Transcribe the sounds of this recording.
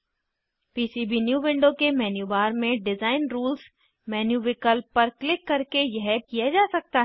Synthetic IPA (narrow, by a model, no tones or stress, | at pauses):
piːsiːbinjuːʋɪ̃ɳɖokemɛːnjuːʋaːɾmẽɖɪzaːɪnɾuːlz | mɛːnjuːʋɪkəlpɐɾklɪkːɐɾkejɐɦkijad͡ʒaːsɐk̚t̪aɦ